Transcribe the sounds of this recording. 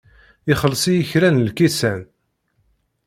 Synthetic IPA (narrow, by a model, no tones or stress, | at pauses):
ɪχəlːsˤijəçɾænəlkisæn